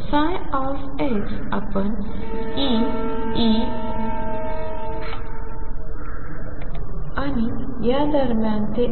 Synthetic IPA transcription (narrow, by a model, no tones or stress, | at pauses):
sajɔf | eksapəɳ | i | i | u | anijad̪əɾmjãnt̪e